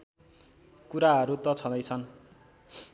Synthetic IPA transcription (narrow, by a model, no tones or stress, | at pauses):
kuɾaɦʌɾut̪ʌt͡sʰʌd̪ʌjt͡sʰʌn